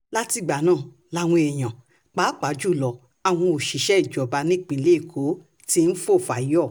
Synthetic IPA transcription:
la˦ti˧ɡ͡ba˨˦nãː˦˨ | la˧w̃ɔ̃˧ɛ˨j̃ã˨ | k͡pa˨˦k͡pa˨˦d͡ʒu˦˨lɔ˨ | a˨w̃ɔ̃˧o˨ʃi˨˦ʃɛ˦i˨d͡ʒɔ˨ba˧nĩ˦˨k͡pĩ˨˦le˦i˦˨kʰo˨˦ | ti˦n̩˦fo˦˨fa˨˦ɔ˦˨

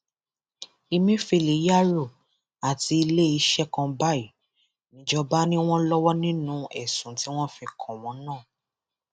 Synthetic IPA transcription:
i˧mĩ˦fi˧˨le˨˦ja˦ɾo˦˨ | a˨ti˧i˧le˦i˧ʃɛ˦kã˧ba˦i˨ | nĩ˨˦d͡ʒɔ˧ba˦nĩ˦w̃ɔ̃˦lɔ˦wɔ˦nĩ˦nũ˦ɛ˦˨sũ˨˦ti˦w̃ɔ̃˦fĩ˧kʰɔ̃˨w̃ɔ̃˨˦nãː˦˨

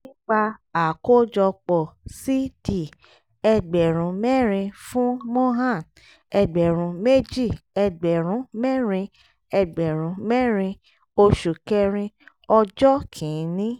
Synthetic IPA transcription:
nĩ˦ɡ͡ba˧a˨ko˦d͡ʒɔ˧k͡pɔ˨si˦di˨ | ɛ˧ɡ͡bɛ˨ɾ̃ũ˨˦mɛ˦˨ɾĩ˧fũ˦mo˦ɦã˦˨n | ɛ˧ɡ͡bɛ˨ɾ̃ũ˨˧˦me˦d͡ʒi˦˨ɛ˧ɡ͡bɛ˨ɾ̃ũ˨˦mɛ˦˨ɾĩ˧ | ɛ˧ɡ͡bɛ˨ɾ̃ũ˨˦mɛ˦˨ɾ̃ĩ˧ | o˧ʃu˨kɛ˧ɾ̃ĩ˧ | ɔ˧d͡ʒɔ˦kʰĩ˨˦nĩ˦

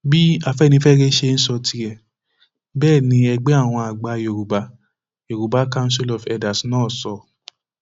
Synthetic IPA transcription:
bi˦a˦˨fɛ˦˨nĩ˧˦fɛ˦ɾe˦ʃe˧n̩˦sɔ˧tʰi˧ɛ˨ | bɛː˦˨nĩ˨˦ɛ˧ɡ͡bɛ˦a˦˨w̃ɔ̃˧a˨ɡ͡ba˨˧jo˨ɾu˨ba˨˦ | o˨ɾu˨ba˨˦ka˦ũ˦si˦lɔ˨fɛ˧da˨snɔ̃ː˦˨sɔ˧

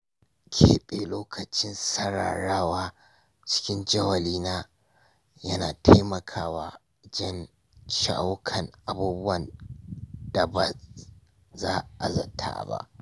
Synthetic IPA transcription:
kʲʰḛː˦ɓe˨loː˦kʰɐ˨t͡ʃɪ˦nsɐ˦ɽa̰ː˨ɽaː˦waː˦ | t͡ʃɪ̥˦kʲɪ˦nd͡ʒɐ˦wɐ˨liː˦naː˦ | jɐ˦naː˨tʰa˦jmɐ˨kʰaː˦waː˦ | d͡ʒɐ˦n | ʃa̰˨ʔa˦wkʰɐ˨ŋʔa˨buː˦bʊ˦wɐ˨n | d̥a˨ba˨ | zaː˦ʔa̰˨zɐ̰˨tʰa̰ː˨ba̰˦ʔ

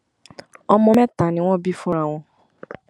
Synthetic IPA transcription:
ɔ˧mɔ̃˧mɛ̃˦ta˨nĩ˨˦w̃ɔ̃˦bi˦fũ˦ɾa˦˨w̃ɔ̃˧

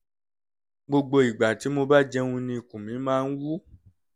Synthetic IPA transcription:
ɡ͡bo˧ɡ͡bo˧i˨ɡ͡ba˨ti˨˦mo˧ba˦d͡ʒɛ˧ũ˧nĩ˧˨kũ˨mĩ˨˦mãː˦n̩˦wu˦

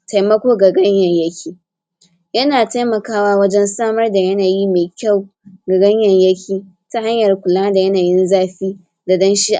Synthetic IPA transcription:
tʰa˨jmɐ˦kʷoː˦ɡa˨ɡɐ˦ɲjɐ˨ɲjɐ˦kʲʰiː˦ | jɐ˦naː˨ta˦jmɐ˨kaː˦waː˦wɐ˦d͡ʒɛ˦nsaː˦mɐ˦rda˨jɐ˦naː˨ji˦meː˨kʲa˦˨w | ɡa˨ɡɐ˦ɲjɐ˨ɲjɐ˦kʲʰiː˦ | ta˦ha˦ɲjɐ˨rkʷʊ˨laː˦da˨jɐ˦naː˨jɪ˦nzaː˦ɸiː˦ | da˨dɐ˦nʃiː˦ʔ

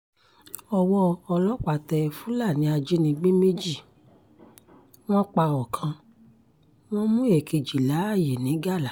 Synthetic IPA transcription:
ɔ˧wɔ˧ɔ˧lɔ˦k͡pa˨tɛ˧fũ˨˦la˦˨nĩ˨˦a˧d͡ʒe˦nĩ˧ɡ͡be˦me˦d͡ʒi˦˨ | w̃ɔ̃˦k͡pa˧ɔ˨kʰã˧ | w̃ɔ̃˦mũ˦e˨ke˧d͡ʒi˨la˨˦a˦˨je˨nĩ˨˦ɡa˦˨la˨˦

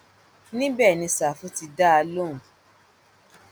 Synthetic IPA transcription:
nĩ˦bɛ˦˨nĩ˧sa˨fu˦ti˧da˦a˧lõ˦˨

